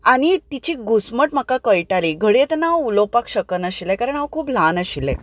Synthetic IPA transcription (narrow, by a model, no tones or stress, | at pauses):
aɽ̃it̪it͡ɕiɡʱusməʈm̤əkakəjʈaliɡʱəɽet̪naulopakɕəkənəɕilɛkaɾəɳaʋkʰuːplanəɕilɛ̰̃